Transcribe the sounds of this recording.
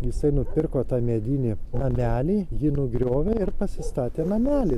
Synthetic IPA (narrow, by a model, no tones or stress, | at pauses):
jɪsɐɪnʊpʲɪrkoːt̪ɑːmʲed̪ʲinʲɪnɐmʲæːlʲiːjɪnʊɡɾʲoːʋʲɛɪrpɐsʲɪst̪ɑːt̪ʲeːnɐmʲæːlʲi